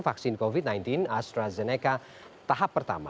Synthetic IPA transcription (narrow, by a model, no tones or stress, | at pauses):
faksinkovid̪̚najnt̪inast̪ɾazɛnɛka | t̪aɦapːərt̪a̰ma̰